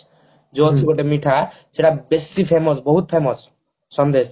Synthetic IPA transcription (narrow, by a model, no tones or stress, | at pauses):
d͡ʒot͡ʃʰibɔʈemiʈʰa | seʈabestipʰemɔsbɔɦut̪̚pʰemɔsː | ɔnd̪es